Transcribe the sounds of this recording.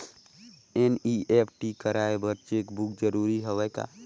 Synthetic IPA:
eniepʰʈikəɾaebəɾt͡ʃekbuk̚d͡ʒəɾuɾiɦəʋɛka̰

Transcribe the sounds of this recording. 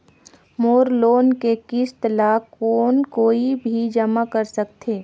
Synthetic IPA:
moːɾloːnkekɪst̪laːkːoːnkoːibʱid͡ʒɐmakɐɾsɐk̚t̪ʰeː

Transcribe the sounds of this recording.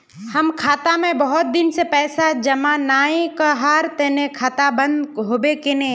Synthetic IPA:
hɐmkʰaːt̪amẽbɐɦʊt̪̚d̪ɪnsepɛːsad͡ʒɐmanaːẽkaɦaːɾt̪ɛnekʰaːt̪abə̃nd̪ɦoːbekɪnẽ

